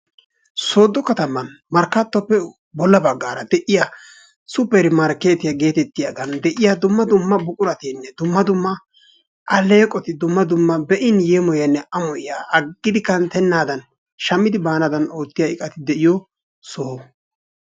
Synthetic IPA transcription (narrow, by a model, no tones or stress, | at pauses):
so̞ːd̪ːɔkɐt̪ɐmɐn | mɐɾkːɐt̪ːɔpːɛ | bɔlːɐbɐɡːaːɾɐd̪ɛʔɪja | sʊpɛɾɪmɐɾkeːt̪ɪjaɡe̞ːt̪ɛt̪ːɪjaːd̪ɐnd̪ɛʔɪjad̪ʊmːɐd̪ʊmːɐbʊkʼʊɾɐt̪inːɛd̪ʊmːɐd̪ʊmːɐ | ʔɐlːe̞ːkʼɔt̪ɪd̪ʊmːɐd̪ʊmːɐbɛʔɪnjeːmɔjɐnːɛʔɐmɔʔɪjaːɐɡːɪd̪ɪkɐnt̪ɛnːaːd̪ɐn | ʃɐmːɪd̪ɪbaːnɐd̪ɐno̞ːt̪ːɪjaɪkʼɐt̪ɪd̪ɛʔɪjɔ | so